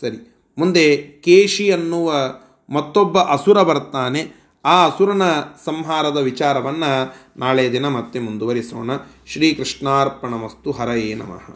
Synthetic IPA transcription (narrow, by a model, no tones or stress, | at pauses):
sɐɾi | mund̪e̞keːʃiɐnːuʋɐ | mɐt̪ːɔbːɐʔɐsuɾɐbɐɾt̪aːne̞ | aːɐsuɾɐnɐsɐmɦaːɾɐd̪ɐʋit͡ʃaːɾɐʋɐnːɐ | naːɭejɐd̪inɐmɐt̪ːemund̪uʋɐɾisoːɳɐʃɾiːkɾiʂɳaːɾpɐɳɐmɐst̪uɦɐɾɐjeːnɐ̰mɐ̰ɦɐ̰